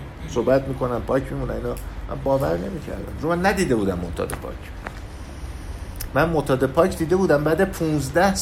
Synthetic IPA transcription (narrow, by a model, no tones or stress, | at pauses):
sohbæt̪miːkʰo̞næmpʰɒːcʰmiːmunæmiːnɒːmʔæ̰mbɒːvæɾne̞miːcʰæ̰ɾd̪æ̰mɾomænːæd̪iːd̪e̞buːd̪æmːoht̪ʰɒ̰ːd̪epʰɒ̰cʰ | mænmot̪ʰɒːd̪epʰɒːcʰd̪iːd̪e̞buːd̪æmbæːd̪epʰuːnzd̪æhs